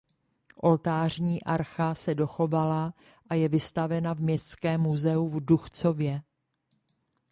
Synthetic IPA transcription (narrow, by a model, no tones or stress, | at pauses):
ʔo̞lt̪aːr̝ɲiːʔaɾxasɛdo̞xo̞vala | ʔajɛvɪst̪avɛnavmɲɛst͡skɛːmːuzɛuvduxt͡so̞vjɛ